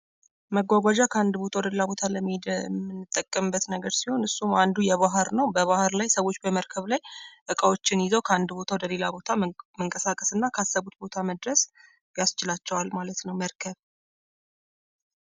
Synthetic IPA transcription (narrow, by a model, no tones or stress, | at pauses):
məɡʷaɡʷad͡ʒakʰəand̪bo̞t̪ʰawd̪əlelabo̞t̪ʰaləmːd̪mːɨnːɨt̪ʼːəkʼːəmɨbːət̪nəɡəɾsiho̞nɨsːumand̪ujɛβaɦəɾnəwbəβahɾlajsəwo̞t͡ʃːbəməɾkʰəβlajʔɨkʼəwo̞t͡ʃːɪnjɪzəwkʰəand̪bo̞t̪ʰawd̪əle̞labo̞t̪ʰaməŋkʼəsakʼəsɨnːakʰasːəβut̪bo̞t̪ʰaməd̪ɾəs | jast͡ʃɪlat͡ʃːɛwalmalət̪nəwməɾkʰəβ